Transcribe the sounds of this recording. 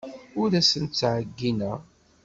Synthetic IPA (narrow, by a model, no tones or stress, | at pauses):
ʊɾæsənt͡sːʕəɡːinæ